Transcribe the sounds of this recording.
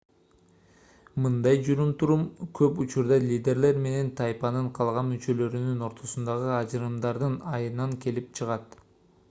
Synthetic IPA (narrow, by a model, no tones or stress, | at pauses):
mɯnd̪ɑjd͡ʒuɾumt̪ʰuɾumkʰø̞put͡ʃuɾd̪ɑlʲid̪ʲe̞ɾle̞ɾme̞ne̞nt̪ʰɑjpɑnɯɴqʰɑlˠʁɑnmyt͡ʃø̞løɾynyno̞ɾt̪ʰo̞sund̪ɑʁɯɑd͡ʒɯɾɯmd̪ɑɾd̪ɯnɑjɯnɑŋke̞lip̚t͡ʃʰɯʁɑt̪